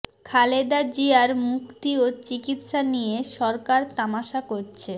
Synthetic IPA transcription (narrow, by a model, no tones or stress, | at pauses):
kʰaled̪ad͡ʑiaɾmukt̪iot͡ɕikit̪ʃanijeʃɔɾkaɾt̪amaʃakoɾt͡ɕʰe